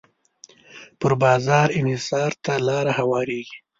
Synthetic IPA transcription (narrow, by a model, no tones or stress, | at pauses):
pəɾbɑːzɑɾɪnhɪsɑɾt̪alɑɾahawɑːɾeɡi̥